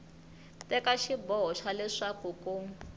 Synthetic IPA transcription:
tɛkaʃibɔɦɔʂalɛʂakuku

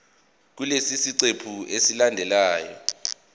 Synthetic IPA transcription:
k̬ulesisiǀepʰuesilandʱɛlaːjɔ̰

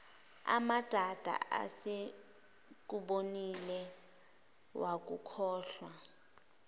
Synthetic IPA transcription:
a̰mad̥ʱad̥ʱa̰a̰se | k̬uɓonilɛ | wak̬ukʰɔːɬwa

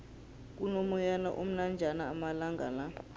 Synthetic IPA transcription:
k̬ʼunɔmɔjana̰ʔom̩nand͡ʒʱanaːmalaŋɡa̰la

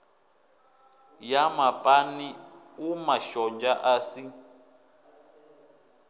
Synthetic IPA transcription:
jamapʼani | umaʃɔnd͡ʒaʔaːsi

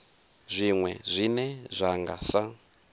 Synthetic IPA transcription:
zʷiŋwɛ̰zʷinɛzʷaŋɡa̰sa

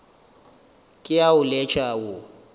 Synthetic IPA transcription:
kʼɪjaʊlɛt͡ʃʰʼawʊ

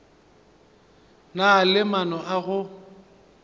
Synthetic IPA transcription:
nalɪmanɔʔaɣʊ

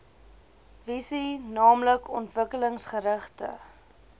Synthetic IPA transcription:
visinɑːmləkɔntvəkələŋsχəɾəχtə̰

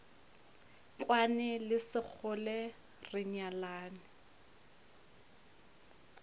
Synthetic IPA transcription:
kʼwanɛlɪsɪk͡xʰʊlɛ | rɪɲalaːnɪ

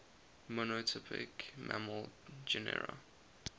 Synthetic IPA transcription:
mɔnotʰɪpʰɪ̰kmʔa̰məld͡ʒɛnɛ̰ɹa̰

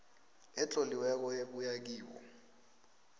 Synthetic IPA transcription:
ɛt͡ɬʼoliwɛk̬ɔeɓujak̬iːwɔ̰

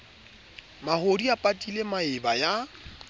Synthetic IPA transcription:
mahodiapʼatʼilemaɪbaja

